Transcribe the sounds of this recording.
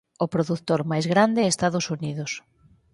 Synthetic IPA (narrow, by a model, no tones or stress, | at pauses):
ʊpɾoðut̪ːoɾmajzɣɾand̪ɪest̪aðʊsuniðʊs